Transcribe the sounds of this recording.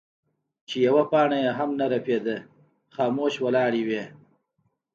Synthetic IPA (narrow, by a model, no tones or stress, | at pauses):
t͡ʃejawapɑːɳajeɦamnaɾaped̪ə | xɑːmoːʃwalɑːɽiwe